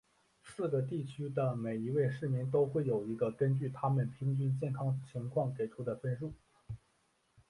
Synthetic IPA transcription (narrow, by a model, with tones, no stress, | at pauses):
sɹ̩˥˩ɡə˩t̪̬i˥˩t͡ɕʰy˥d̪ə˨me˨˩ɪi˧˥we˥˧ɪʂɻ̩˥˩mi˧˥ŋt̪̬o˥ʊxwe˥˩ɪjo˨˩ʊi˧˥ɡə˧kə˥nt͡ɕy˥˩t̪ʰa˥mə˨npʰi˧˥ŋt͡ɕy˥nt͡ɕjɛ˥˩nkʰɑ˥ŋ˩t͡ɕʰi˧˥ŋkʰwɑ˥˩ŋke˨˩ɪʈ͡ʂʰu˧˥d̪ə˧pə˥˧nɻu˥˩